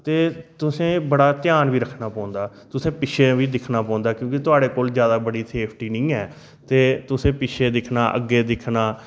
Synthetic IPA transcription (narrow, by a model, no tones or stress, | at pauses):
t̪eːt̪ʊsẽːbəɽaːt̪ɪjaːnʋiːɾəkʰnaːpɔ̃ːnd̪aː | t̪ʊsẽːpɪʃʰeʋiːd̪ɪkʰnaːpɔ̃ːnd̪aːkjõːkit̪ʊaːɽeːkoːlzjaːd̪aːbəɽiːsʰeːpʰʈiːnĩːɛː | t̪eːt̪ʊsẽːpɪʃʰeːd̪ɪkʰnaːʔə̰ɡːeːd̪ɪkʰnaː